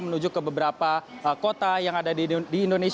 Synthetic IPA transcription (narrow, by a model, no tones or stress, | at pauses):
mənuɲd͡ʒʊkːəbəbəɾapaəkot̪ajaŋadadiːndones